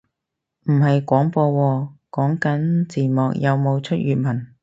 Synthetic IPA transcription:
m̩˨˩hɐ˨jkʷɔː˨˥ŋpɔː˧wɔː˧kɔː˨˥ŋkɐ˨˥nt͡siː˨˩mɔː˨k̚jɐ˨˧wmo˨˧wt͡ʃʰɵ˥t̚jyː˨t̚mɐ˨˩n

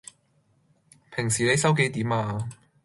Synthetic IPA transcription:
pʰɪ˨˩ŋsiː˨˩ne˨˧jsɐ˥wke˨˥jt̪iː˨˥maː˧

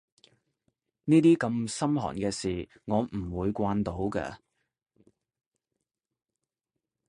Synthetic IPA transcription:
niː˥t̪iː˥kɐ˧msɐ˥mɦɔ̰ː˨˩nkɛː˧siː˨˩ŋɔː˨˧mm̩˨˩wuː˨˧jkʷaː˧nt̪o˨˥wkɛ̰ː˧

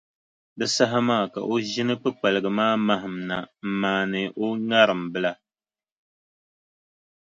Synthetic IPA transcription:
bɨ˦sa˦ɦa˦maː˦˨ka̰˨ʔo˦ʒɪ˦nɨ˦pɨ˦k͡pa˨lɨ˨ɡɨ˨maː˦ma˦ɦɨ˨mna̰˨m̩˨maː˨nɨ˨ʔo˦ŋa˦ɾɨ˨mbɨ˦la˦

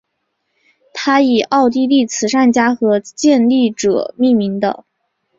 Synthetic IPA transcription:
t̪ʰa˥i˨˩ʔɑ˥˧ʊt̪̬i˥˧li˥˩t͡sʰɹ̩˨˩ʂa˥˩nt͡ɕja˥xɤ˧˥t͡ɕjɛ˥˧nli˥˩ʈ͡ʂɤ̰˨˩mi˥˩mi˧˥ŋd̪ə̰˧

